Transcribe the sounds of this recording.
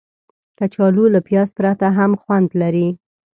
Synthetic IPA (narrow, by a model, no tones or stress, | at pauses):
kat͡ʃɑlulapjɑspɾat̪aɦamxwand̪laɾi